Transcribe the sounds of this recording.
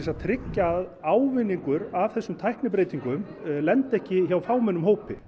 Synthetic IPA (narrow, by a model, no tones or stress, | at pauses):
sat̪ʰɾɪcːaðawvɪnːiŋkʏɾavθɛsːʏmt̪ʰajhknɪpɾejt̪iŋkʏmlɛnt̪ɛhcɪçawfaːwmɛnʏmɦoːwpɪ̰